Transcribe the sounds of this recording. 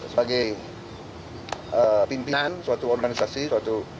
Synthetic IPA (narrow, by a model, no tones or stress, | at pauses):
səbaɡaj | pimpinanswat̪uɔrɡanisasiswat̪u